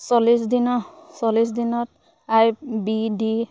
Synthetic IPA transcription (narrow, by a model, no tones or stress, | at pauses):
sɔlisdinɔsɔlisdinɔt̚ | ajbidi